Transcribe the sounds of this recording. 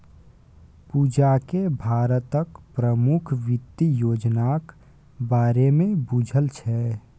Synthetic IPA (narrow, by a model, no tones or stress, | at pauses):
pud͡ʒakebʱaːɾət̪əkpɾəmukʰʋɪt̪ːijoːd͡ʒnak | baːɾemẽbud͡ʒʱəlt͡ʃʰɛ